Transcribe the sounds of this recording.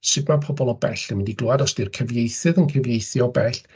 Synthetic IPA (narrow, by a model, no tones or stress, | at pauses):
ʃɪdmapʰɔbɔlˠɔbɛɬənwɪndiɡlʊadɔsd̥irkʰəvjejθɨðənkʰəvjejθjɔbɛɬ